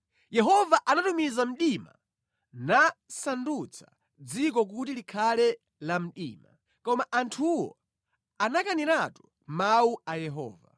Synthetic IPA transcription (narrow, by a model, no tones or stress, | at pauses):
jɛɦɔvaʔanatumizam̩ɗima̰ | nasandut͡sʰḁ | d͡zik̬ɔk̬utilikʰalɛ | lam̩ɗḭːma | kɔmaʔantʰuwɔ̰ | anakaniɾatu̥ | mauajɛɦɔ̰ːva̰